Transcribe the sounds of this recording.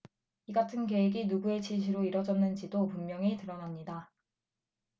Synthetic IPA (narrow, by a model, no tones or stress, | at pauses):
iɡatʰɯnke̞weɡinuɡue̞t͡ɕiɕʰiɾoiɾʌd͡ʑʌnːɯnd͡ʑidopummjʌŋitɯɾʌnamɲida